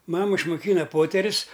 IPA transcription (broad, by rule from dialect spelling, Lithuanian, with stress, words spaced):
ˈmɑːmɐ ɪʃmʊˈkʲiːnɐ ˈpoːtʲɛrʲʊs